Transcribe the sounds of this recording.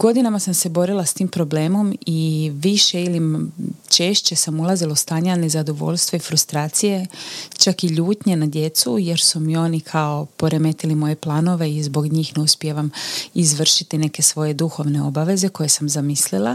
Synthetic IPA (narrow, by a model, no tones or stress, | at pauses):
ɡo̞d̪inamasamse̞bo̞ɾilˠast̪iːmpɾo̞ble̞ːmo̞miʋiʃe̞ilit͡ʃe̞ːʃt͡ɕe̞samulˠazilaust̪aːɲanezad̪o̞ʋo̞̰ʎst̪ʋoifɾust̪ɾaːt̪sije̞t͡ʃakiʎuːt̪ɲe̞nad̪je̞t̪suje̞ɾsumio̞ːnikʰao̞po̞ɾe̞me̞t̪ilimo̞je̞plˠaːno̞ʋe̞izbo̞ɡɲiːxne̞uspje̞ʋamizʋr̩ʃit̪ine̞ke̞sʋo̞je̞d̪uxo̞ʋne̞o̞̰baʋe̞ze̞ko̞je̞samzamislilˠa